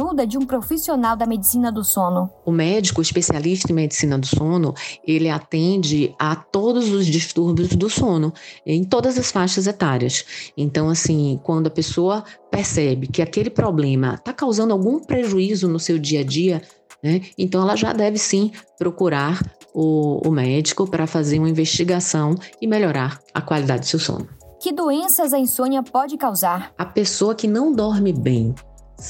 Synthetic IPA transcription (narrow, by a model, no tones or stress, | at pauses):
ud̪ɐd͡ʒɪũpɾofisionawd̪ɐmed͡ʒisĩnɐd̪ʊsõnʊʊmɛd͡ʒikʊispesialiʃt̪ɐẽmed͡ʒisĩnɐd̪ʊsõnʊelɪat̪ẽd͡ʒɪat̪od̪ʊzʊzd͡ʒiʃt̪uɾbjʊzd̪ʊsõnʊẽj̃t̪od̪ɐzɐsfaʃɐzɛt̪aɾiɐ̰sẽt̪ɐ̃w̃asĩkwɐ̃d̪ʊɐpesoɐpɛɾsɛbɪkɪakelɪpɾɔblẽmɐ̰t̪akawzɐ̃nd̪awɡũpɾeʒuizʊnʊsewd͡ʒiɐd͡ʒiɐ | nɛẽt̪ɐ̃w̃ɛlɐʒa̰d̪ɛvɪsĩpɾokuɾaɾʊ̰ːmɛd͡ʒikʊpɾɐfazeɾũmɐĩveʃt͡ʃiɡasɐ̃w̃ɪmeʎɔɾaɾɐ̰kwalid̪a̰d͡ʒɪd̪ʊ̥sewsõ̰nʊkɪd̪oẽsɐzɐẽsõɲiɐpɔd͡ʒɪkawzaɾɐpesoɐkɪnɐ̃w̃d̪ɔɾmɪbẽj̃